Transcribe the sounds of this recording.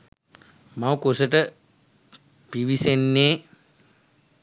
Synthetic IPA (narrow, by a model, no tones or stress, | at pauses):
mawkosəʈə | piʋisenːeː